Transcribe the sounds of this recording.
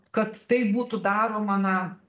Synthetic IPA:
kɐt̪t̪ɐɪbuːt̪ʊd̪ɑːɾoːmɐnɐ

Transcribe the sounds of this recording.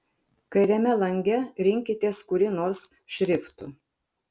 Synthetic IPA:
kɐɪɾʲɛmʲɛlˠɐŋʲɡʲɛɾʲɪŋʲkʲɪt̪ʲeːskʊɾʲɪnoːɾs | ʃʲɾʲɪft̪ʊ

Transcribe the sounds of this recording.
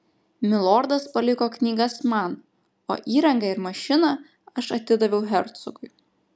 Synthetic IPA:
mʲɪlˠɔɾd̪ɐspɐlʲɪkoːknʲiːɡɐsmɐn | o̰ːʔiːɾɐŋɡɑɪɾmɐʃʲɪnɐ | ɐʃɐt̪ʲɪd̪ɐʋʲɛʊɦʲɛɾt̪sʊɡʊɪ

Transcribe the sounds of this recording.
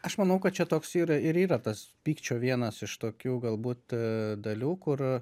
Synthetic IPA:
ɐʃmɐnɐʊkɐt̪̚t͡ʃʲɛt̪oːksiːɾɐɪɾiːɾɐt̪ɐspʲiːkt͡ʃʲoːʋʲiɛnɐsɪʃt̪oːkʲuːɡɐlˠbuːt̪d̪ɐlʲuːkʊr

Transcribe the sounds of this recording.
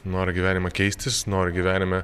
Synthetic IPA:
noːɾʲɪɡʲiʋʲæːnʲɪmɐkʲɛɪsʲt̪ʲɪsnoːɾʲɪɡʲiʋʲæːnʲɪmʲɛ

